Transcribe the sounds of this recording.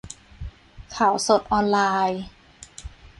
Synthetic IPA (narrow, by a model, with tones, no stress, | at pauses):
kʰaː˨˩˦wso˨˩t̪̚ʔɔː˧nlaː˧j